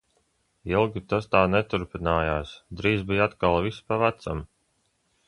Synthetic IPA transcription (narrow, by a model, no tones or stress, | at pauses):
ilˠɡʲit̪ast̪aːnɛt̪uɾpinaːjaːsd̪ɾiːzbijat̪kalˠvispavæt̪sam